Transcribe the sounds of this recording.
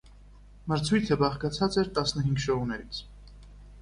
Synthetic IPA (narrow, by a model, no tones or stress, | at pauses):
məɾt͡sʰujt̪ʰəbɑχkɑt͡sʰɑt͡sɛɾt̪ɑsnəɦiŋɡʃɔʁunɛɾit͡sʰ